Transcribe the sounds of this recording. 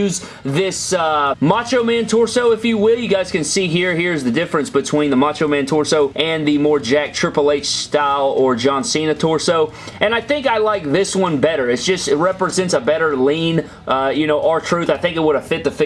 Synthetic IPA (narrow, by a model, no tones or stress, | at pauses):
ʉz | ðɪsʌmɑt͡ʃoʊmæ̃ntʰɔɹsoʊɨfjɨwɪlˠjɨɡaɪz̥kɨ̃nsiɦiɹhiɹɨzðɨdɪfɹɨ̃nsb̥ɨtʰw̥ĩnðəmɑt͡ʃoʊmæ̃ntʰɔɹsoʊʔɨ̃nðɨmɔɹd͡ʒæk̚tʰɹ̥ɪpəleɪt͡ʃstaɪlˠə˞d͡ʒɑ̃nsĩnɨtʰɔɹsoʊ | ʔɨ̃naɪθɪ̃ŋkaɪlaɪk̚ðɪswʌ̃nbɛɾə˞ɨtsd̥ʒ̥ʌstɨt̚ɹɛpɹɨzɛ̃ntsəbɛɾə˞lĩn | ʔʌjɨñoʊʔə˞tʰɹ̥ʉθaɪθɪ̃ŋkɨt̚wʊɾəv̥fɪt̪̚ðɨfɪ